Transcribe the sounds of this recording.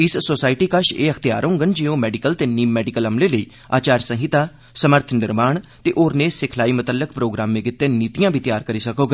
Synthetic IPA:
ɪssoːsaːɪʈiːkəʃḛːəkʰt̪ija̰ːɾɦõːɡənd͡ʒiõːmɛːɖɪkəlt̪eːniːmːɛːɖɪkəlɦəmleːləiː | a̰ːt͡ʃaːɾsə̃ɦɪt̪aː | səməɾt̪ʰnɪɾmaːɳt̪eːʔoːɾneːsɪkʰlaːiːmʊt̪əlːəkpɾoːɡɾaːmːẽːkɪt̪ːeːniːt̪ijãːbʱiːt̪ɪjaːɾkəɾiːsəkoːɡ

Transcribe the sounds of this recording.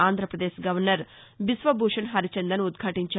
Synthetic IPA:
aːnd̪ɾɐpɾɐd̪eːʃɡɐʋɐɾnɐɾ | bisʋɐbʱuːʂɐnɦɐɾit͡ʃend̪ɐnud̪ɡʱɐʈiɲt͡ʃɐ

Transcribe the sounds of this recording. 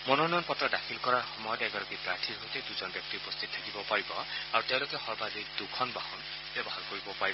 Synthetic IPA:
mɔnonɔjɔnpɔtːɔdakʰilkɔɹaɹxɔmɔjɔt̪ɛɡɔɾɔkipɾat̪ʰiɦot̪ed̪uzɔnbjɔk̚t̪iupɔst̪ʰit̪̚t̪ʰakibɔpaɹibɔaɹut̪eʊ̃lokɛxɔɹbad̪id̪ukʰɔnbahɔn | b̥jɔbɔhaɹkoɹibɔpaɹibɔ

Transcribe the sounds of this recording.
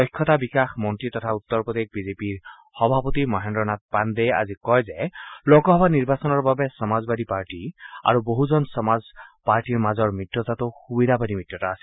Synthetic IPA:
ɔjkʰːɔt̪abikaxmɔntɹit̪ɔt̪ʰaut̪ːɔɹpɔd̪ek̚bizepiɹ | xɔbʱapɔt̪imɔɦɛndɹɔnat̪̚pand̪eja̰zikɔjzɛlɔɡɔɦɔbaniɹbasɔnɔɹbabɛsɔmazbad̪ipaɹʈia̰ɹuboɦuzɔnsɔmazpaɹʈiɹmazɔɹmɹitjɔt̪at̪ʊxubid̪ʱabad̪imit̪ːjɔtaːsɛ

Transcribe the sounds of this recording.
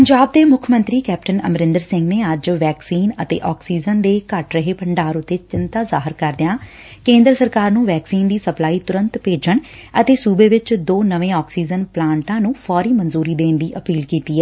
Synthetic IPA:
pəɲd͡ʒaːb̚d̪eːmʊkʰmə̃nt̪ɾiːkɛːpʈənəmɾɪnd̪əɾsɪ̃ŋɡneːəd͡ʒʋɛːksiːnət̪ḛːʔɔːksiːd͡ʒənd̪eːkəʈɾəɦeːpəɳɖaːɾʊt̪ːeːt͡ʃɪnt̪aːzaːɦɪɾkəɾd̪ɪjãː | kẽːnd̪ɾəsəɾkaːɾnũːʋɛːksiːnd̪iːsəplaːiːt̪ʊɾə̃nt̪peːd͡ʒəɳət̪eːsuːbeːʋɪt͡ʃd̪oːnəʋẽːɔːksiːd͡ʒənplãːɳʈãːnũːfʰɔːɾiːmənzuːɾiːd̪eːnd̪iːʔəpiːlkiːt̪iːɛː

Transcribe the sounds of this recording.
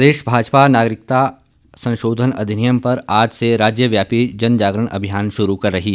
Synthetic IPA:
d̪eːʃbʱaːd͡ʒpanaːɡɾɪk̚t̪a | sɐ̃nʃoːd̪ʱənɐ̰d̪ʱɪnijəmpɐɾaːd͡ʒseɾaːd͡ʒjəʋjaːpid͡ʒɐnd͡ʒaːɡɾəɽ̃ʔɐ̰bʱijaːnʃʊɾukɐɾːɐɦiː

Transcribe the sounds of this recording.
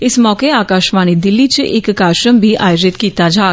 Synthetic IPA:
ɪsmɔːkeaːkaːʃmaːñid̪ɪlːit͡ʃʔeːkːaːʃɾəmbʱiʔaːjod͡ʒɪt̪kiːt̪ad͡ʒaː

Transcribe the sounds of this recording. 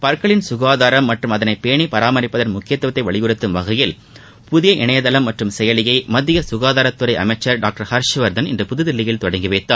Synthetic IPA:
pɐɾkɐɭɪnsʊɣaːðaːɾɐmːɐʈrɯmɐðɐnɐɪpeːɳipɐɾaːmɐɾɪpːɐðɐnmʊkːɪjɐt̪ːʋɐt̪ːɐɪʋɐɭɪɣɯɾɯt̪ːɯmʋɐɣɐjɪl | pʊðɪjɐʔɪɳɐjɐðɐlɐmːɐʈrɯmsɛjɐlɪjɐɪmɐðːɪjɐsʊɣaːðaːɾɐt̪ːɯɾɐɪʔɐmɐɪt͡ʃːɐɾɖaːk̚ʈɐɾhɐɾʂʋɐɾðɐnɪndrɯpʊðɯðɪlːɪjɪlt̪ɔɽɐŋɡɪʋeːt̪ːaː

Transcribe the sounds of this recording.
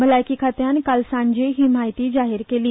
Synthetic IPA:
bəlaːjkiːkʰaːt̪ejankəlsãːɳd͡ʒeɦɪmaːjt̪id͡ʒaːɦɪɾkeːliː

